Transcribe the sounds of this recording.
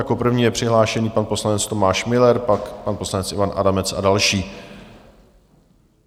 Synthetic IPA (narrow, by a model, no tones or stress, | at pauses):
jako̞pr̩vɲiːjɛpr̥ɪɦlaːʃɛɲiːpanpo̞slanɛt͡st̪o̞maːʃmɪlɛɾpakpanposlanɛt͡sʔɪvanʔa̰damɛt͡sa̰dalʃiː